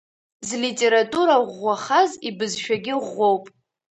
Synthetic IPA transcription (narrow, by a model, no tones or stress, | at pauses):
zlitʼe̞ɾatʼuɾaʁʷːaχazibɨzʃᶣaɡʲɪʁːowpʼ